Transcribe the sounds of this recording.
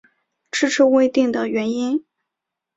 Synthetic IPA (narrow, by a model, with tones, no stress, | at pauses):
ʈ͡ʂɻ̩˥ʈ͡ʂ̩ʰ˥we˥˧ɪt̪i˥˩ŋd̪ə˩ɥɛ˧˥ni˥n